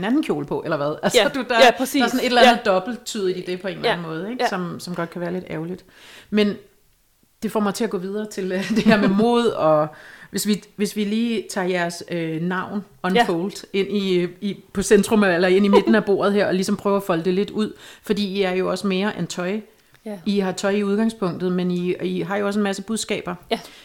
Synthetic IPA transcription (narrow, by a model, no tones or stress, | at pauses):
enænn̩kʰjo̝̰ːlpʰɒ̽ʔelɐʋæð̞ˠælsɒd̥ud̥ɑɑæɐsɔ̽ne̝d̥elænð̞̩ˠd̥ɒ̽b̥l̩t͡sʰyð̰ˠd̥id̥e̝pʰɒ̽e̝ːnlænn̩mɔ̽ːð̞̩ˠeɡ̥sɒ̽msɒ̽mɡ̥ɒ̽d̥̚kʰæʋæːɐle̝d̥æʊlid̥ | men | d̥e̝fɒːmɑ̈ɪt͡sʰe̝æɡ̥ɔ̽ːʋið̞ˠɐːt͡sʰe̝ld̥e̝heɐmemo̝̰ːð̞ˠɒ̽ʋe̝sʋiʋe̝sʋiliːt͡sʰɑ̰̈jæɐsønɑ̈ʊ̰n | ɒ̽npʰoʊld̥e̝n̰iipʰɒ̽send̥ʁɔ̽melɐe̝n̰ime̝d̥n̩æb̥o̝̰ːɐð̞̩ˠɦeɐ̰ɒ̽lisɒ̽mpʰʁœːʊæfɒ̽ləd̥e̝le̝d̥uð̞̰ˠfɒ̽d̥ḭːiæɐjo̝ɒ̽səme̝ːɐʔent͡sʰɒ̽ɪ | iɦɑ̈t͡sʰɒ̽ɪiuðˠɡ̥ɑ̈ŋspʰɔ̽ŋ̰d̥ð̞̩ˠmeniiɦɑ̈jo̝ɒ̽s̬e̝nmæsəb̥uðˠsɡ̥ɛ̰ːb̥ɐ